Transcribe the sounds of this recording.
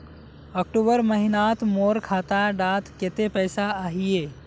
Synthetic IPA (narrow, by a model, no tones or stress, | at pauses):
ɔk̚ʈuːbəɾməɦɪnaːt̪moːɾkʰaːt̪aɖaːt̪ket̪epəɪsaaːɦie